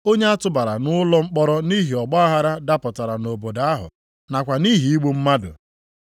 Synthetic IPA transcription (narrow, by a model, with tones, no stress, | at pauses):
o˦ɲe˦a˦tʊ˦ba˨ɾa˨nʊ˦lɔ˦ŋ͡m̩˦k͡pɔ˦ɾɔ˦ni˦ɦi˨ɔ˨ɡ͡bɔ˦a˦ɦa˦ɾa˦da˦pɔ˨ta˨ɾa˨no˨bo˨da˨a˦ɦʊ̰˨ | na˨kʷa˨ni˦ɦi˨i˦ɡ͡bu˦m̩˦ma˦dʊ̰˨